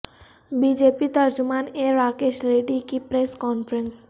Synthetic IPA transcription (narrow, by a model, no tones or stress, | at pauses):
bid͡ʒepit̪ard͡ʒumaneɾakeʃleɖikipɾɛskɔnfɾɛns